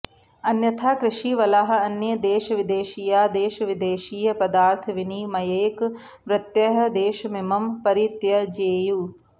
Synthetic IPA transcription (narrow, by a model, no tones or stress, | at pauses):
ɐnjɐt̪ʰaːkɾɪʃiːʋɐlaːɦɐ̆ɐnjɐd̪eːʃɐʋid̪eːʃiːjaːd̪eːʃɐʋid̪eːʃiːjɐpɐd̪aːɾt̪ʰɐʋinimɐjeːk | ʋɾɐt̪jɐɦɐ̆d̪eːʃɐmemɐmpɐɾit̪jɐd͡ʒeːjuː